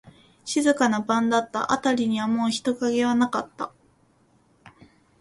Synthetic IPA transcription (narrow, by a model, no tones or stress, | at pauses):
ɕizɨkanabãnd̪at̪ːa̰ʔa̰t̪aɾʲiɲ̟iβamoːçi̥t̪o̞kaɡe̞βanakat̪ːa